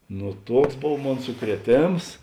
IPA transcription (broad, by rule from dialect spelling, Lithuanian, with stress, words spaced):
nʊ ˈtuɔks ˈboːw ˈmoːn sʊkrʲiɛˈtʲeːms